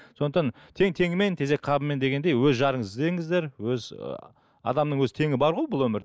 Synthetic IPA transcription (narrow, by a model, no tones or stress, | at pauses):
so̞nd̪əqt̪ɑn | t̪ʰe̞ŋt̪ʰe̞ŋɪme̞nt̪ʰe̞ze̞k̚ʲqʰɑbəmːend̪e̞ɡʲe̞nd̪e̞jwɵzʒɑɾəɴəzd̪e̞ŋɪzd̪e̞ɾwɵzə̰ | ɑ̰d̪ɑmnəɴwɵzɪt̪ʰe̞ŋɪbɑɾʁojbʊlˠwɵmɪɾ